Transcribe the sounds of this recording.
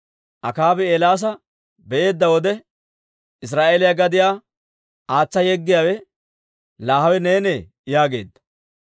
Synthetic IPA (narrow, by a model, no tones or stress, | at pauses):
ʔɐkaːbɪelaːs̬ɐ | bɛʔe̞ːd̪ːɐwɔd̪ɛ | ɪs̬ɾaːʔeːlɪjaɡɐd̪ɪjaː | aːt͡sːɐjɛɡːɪjaːwɛ | laːhɐwɛneːnɛ | jaːɡe̞̰ːd̪ːɐ̥